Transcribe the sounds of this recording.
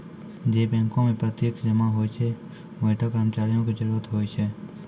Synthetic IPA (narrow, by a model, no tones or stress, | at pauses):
d͡ʒeːbɛ̃ːŋkõmẽpɾət̪jeːkd͡ʒəmaɦoːjt͡ʃʰe | ʋəʈʰakɾəːmət͡ʃaːɾijõked͡ʒəɾuːɾət̪ɦoːjt͡ʃʰe